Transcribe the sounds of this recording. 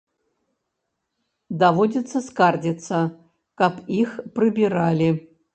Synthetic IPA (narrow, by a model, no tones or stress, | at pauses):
d̪avodʲɪt̪səskardʲɪt̪sɐ | kapixprɨbʲiɾalʲɪ